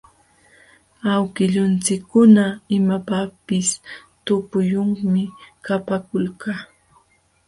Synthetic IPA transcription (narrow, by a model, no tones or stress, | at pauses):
awkɪʎʊnt͡sɪkːʊnaɪmapapɪst̪ʊpʊjʊŋmɪkapakʊlkaː